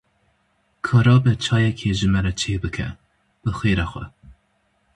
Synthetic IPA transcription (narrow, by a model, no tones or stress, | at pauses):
kʰɑːɾɑːbɛt͡ʃʰɑːjɛkʰeʒɨmɛɾɛt͡ʃʰeːbɨkʰɛ̰ | b̥ɨxʷeːɾɑxʷɛ̰